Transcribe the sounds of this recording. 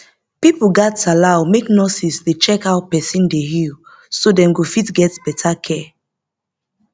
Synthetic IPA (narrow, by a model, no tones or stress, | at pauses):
pipɡatalaʊmeknɔsisdet͡ʃɛkaʊpɛsĩndeɦil | sodɛ̃mɡofitɡɛtb̥ɛtʰakʰɛ